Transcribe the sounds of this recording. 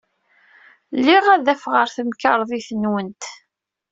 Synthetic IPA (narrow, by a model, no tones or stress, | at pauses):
lːiʁæðæfʁəɾθəmkəɾˤðˤiθənwənt̪